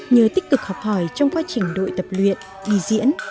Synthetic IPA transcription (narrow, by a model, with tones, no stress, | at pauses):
ɲəː˨˩t̪ï˦˥k̚k̪ɨ˨˩k̚hɔ˨˩p̚hɔ˧˩jt͡ɕɔ˧wŋ͡mkwaː˧t͡ɕï˨˩ŋ̟ɗo̰˧˨jt̪ə˨˩p̚lwḭ˧˨ən | ʔi˧˩zḭ˧˥ən